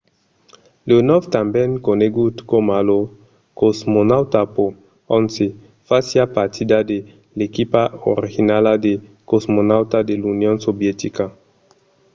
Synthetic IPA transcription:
lonɔft̪ambɛŋkoneɡut̪komalo | kozmonawt̪apo | onse | fasjapaɾt̪ʰid̪ad̪e | lekipao̰ɾixinalad̪e | kozmonawt̪ad̪elunjonsobjet̪ika

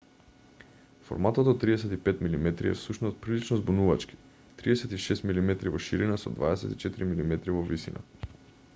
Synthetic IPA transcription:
fo̰ɾmat̪ot̪ot̪ːɾiɛsɛt̪ipɛt̪milimɛt̪ɾiɛ̰fsuʃnɔst̪̚pɾilit͡ʃnɔzbunuvat͡ʃki̥ | t̪ɾiɛsɛt̪iʃɛst̪milimɛt̪ɾivɔʃiɾinasɔd̪vaɛsɛ̰t̪i̥t͡ʃɛt̪iɾimilimɛt̪ɾivɔvisina̰

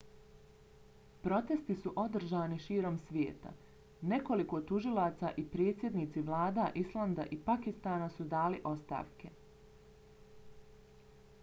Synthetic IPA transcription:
pɾo̞t̪e̞st̪isuʔo̞d̪r̩ʒaːniʃiːɾo̞msʋjḛːt̪a̰ | ne̞ko̞liko̞t̪uʒilˠaːt̪saʔipɾe̞ːt̪sje̞d̪niːt̪siʋlˠaːd̪aʔislˠand̪aʔipakist̪aːnasud̪aːliʔo̞st̪a̰ːʋke̞

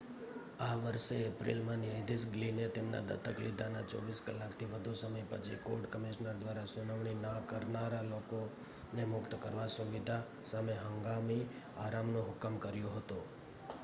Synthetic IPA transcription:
aʋəɾʃeːpɾḭlmãniəd̪isɡlinet̪emna̰d̪ə̰t̪əklid̪ʱana̰t͡ʃɔ̰ʋiskəlːakt̪ʰiʋəd̪ʱusəməjpə̰t͡ʃʰḭkoɖkəmiʃnəɾd̪ʋaɾasʊnəʋɳ̃inakəɾnaɾaloko | nemʊkt̪kəɾʋasuʋid̪ʱa | sameɦəŋɡami | aɾamnõɦʊkəmkəɾjoɦət̪o

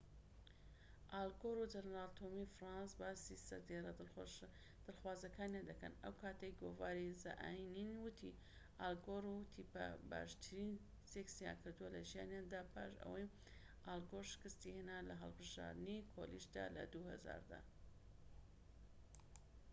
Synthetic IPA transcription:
ʔaːlˠɡoɾud͡ʒɐnɾalt̪ʰomifɾɑnsbaːsisɐ̰ɾd̪eɾɐ | d̪̥ɨlxwaːzɐkaːnjand̪ɐkɐ̰nɐ̰wkʰaːt̪ɐjɡovaːɾizɐʔaːjininwɨt̪ʰḭ | ʔalɡoɾut̪ʰipa̰ba̰ːʃt̪ʰɨɾin | seksija̰nkʰɨɾd̪uwɐlɐʒijaːnjand̪aːpʰa̰ːʃɐ̰wɐj | ʔaːlɡoɾʃɨ̥kɨst̪ihenalɐɦɐ̰lˠbɨʒa̰ːɾd̪ɨnikʰo̰liʃd̪a̰ːlɐ̰d̪uhɐza̰ːɾd̪a̰

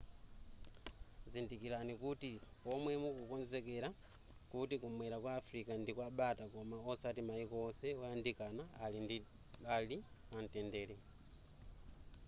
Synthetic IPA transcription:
zindikilanikutiomwemukukonzekeɾa | kutikumwɛɾakwaːfɾikandikwaɓatakomaosatimaikɔːseojandikanaːlindi | ɓalian̩tɛndelɛ

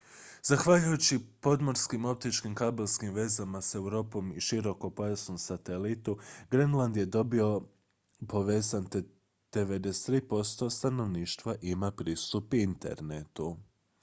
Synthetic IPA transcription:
zaxʋaʎujut͡ɕipo̞d̪mo̞ɾskimo̞p̚t̪it͡ʃkimkabelˠskimʋe̞zamase̞wɾo̞ːpo̞miʃiɾo̞ko̞po̞jasnomsat̪e̞lit̪uɡɾenlˠand̪je̞d̪o̞bio̞ | pʰo̞ʋe̞ːzant̪ | d̪̥eʋe̞d̪est̪ɾiːpo̞st̪o̞st̪ano̞ʋniːʃt̪ʋaʔimapɾiːst̪upint̪e̞̰ɾnet̪u

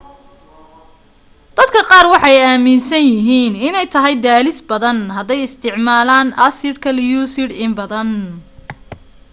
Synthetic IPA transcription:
d̪̥ɐd̪kʰɐqɑːrwɑħɑjaːmɪnsɐnjɪɦiːnɪnɛjt̪ʰɐɦɛjd̪aːlɪsbɐðɐnɦɐd̪ɛjɪst̪ʰɪʕmaːlaːnʔɐsɪrkʰɐljuːsɪɽɪmbɐðɐn

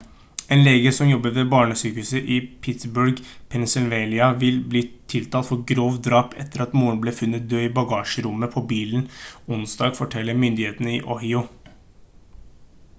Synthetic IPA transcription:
eːnleːɡəsɔmjɔbːəʋɛbɑːɳəsyːkʉsəʔɪpʰɪt̪sbʉɾɡpʰɛnsɪlʋelɪɑʋɪlbliːt̪ʰɪlt̪ʰɑːt̪fɔɡɾoːʋd̪ɾɑːpɛt̪ːəɾɑt̪muːəɳbleːfʉnːət̪̚d̪øːibɑɡɑːʂəɾʊmːəpʰɔbiːln̩ʊnsd̪ɑːɡfɔʈʰɛlːəɾmʏnd̪ɪheːt̪ənəɪ̰ʔɔhɪʊ

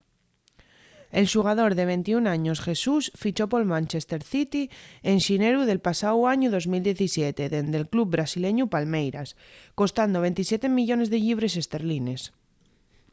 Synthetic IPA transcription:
e̞lʃuɣ̞að̞o̞ɾðe̞β̞e̞nt̪iunaɲosxe̞susfit͡ʃo̞po̞lmãnʲt͡ʃest̪e̞ɾθit̪ienʃine̞ɾuðe̞lpasawaɲuðo̞zmild̪je̞θisjet̪eðend̪e̞lklub̚bɾasile̞ɲupalmejɾas | ko̞st̪and̪oβ̞e̞nt̪isje̞t̪e̞miʎo̞ne̞zðe̞ʎiβ̞ɾe̞s̬e̞st̪eɾline̞s

